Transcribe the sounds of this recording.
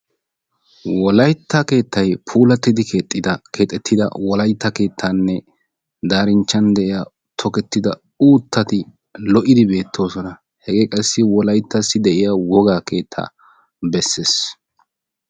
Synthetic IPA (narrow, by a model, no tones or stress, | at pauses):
wɔlɐjt̪ːɐke̞ːt̪ʰːɐjpʰuːlɐt̪ːɪd̪ɪket̪ʼːɪd̪ɐke̞ːt̪ʼːɛt̪ʰːɪd̪ɐ̰wɔlɐjt̪ːɐke̞ːt̪ʰːaːnːɛ | d̪aːɾɪnt͡ʃːɐnd̪ɛʔɪja | t̪ʰɔkɛt̪ːɪd̪ɐ | uːt̪ʰːɐt̪ɪ | lɔʔɪd̪ɪbe̞ːt̪ʰːo̞ːsɔnɐ | hɛɡe̞ːkʼɐsːɪwɔlɐjt̪ːɐsːɪd̪ɛʔɪjawɔɡaːke̞ːt̪ʰːa̰ː | bɛsːe̞ːs